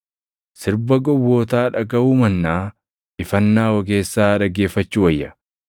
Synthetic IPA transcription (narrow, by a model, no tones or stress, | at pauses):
sɪɾbɐɡɔwːoːt̪aːᶑɐɡɐuːmɐnːaː | ɪfɐnːaːwɔɡe̞ːsːaːᶑɐɡe̞ːfːɐt͡ʃːuwɐjːɐ